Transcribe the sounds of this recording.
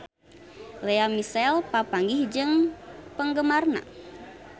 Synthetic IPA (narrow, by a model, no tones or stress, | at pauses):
leamisɛlpapaŋɡihd͡ʒɨŋpəŋɡəmarna̰